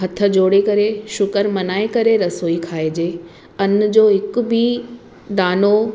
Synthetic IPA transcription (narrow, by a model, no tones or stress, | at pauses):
ɦɐt̪ʰə̆d͡ʑoːɽekɐɾeʃʊkəɾmɐnaːekɐɾeɾɐsoːikʰaːed͡ʑeː | ɐnd͡ʑoːɦɪkʊ̆bʱi | d̪aːno